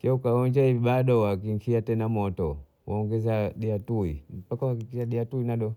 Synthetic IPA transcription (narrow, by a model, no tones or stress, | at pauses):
kiaukaɔɲd͡ʒahiviɓaɗɔwakiŋkʰiatɛnamɔtɔ | waɔŋɡɛzaɗiatuim̩pakawakikiʃaɗiatuinaɗɔ